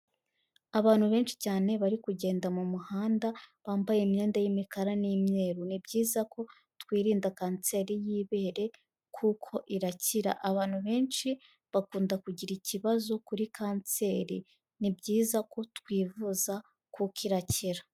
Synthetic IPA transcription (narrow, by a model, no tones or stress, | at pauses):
aβaːn̥huβe̞ːnt͡ʃi̥caːne̞βaɾikuɟe̞ːndamumuhaːndaβaːmbajemɲe̞ːndajimikaɾaniːmɲe̞ːɾunibɟiːzakʰo̞ | twiːɾiːndakaːnt͡se̞ːɾijiːβe̞ːɾe̞ | kʰukʰo̞ʔiɾaciɾa̰ʔaβaːn̥huβe̞ːnt͡ʃi | βakuːndakuɟiɾiciβazo̞kuɾikʰaːnt͡se̞ːɾḭ | nibɟiːzakʰo̞tkwiːvuza | kukiɾaciɾḁ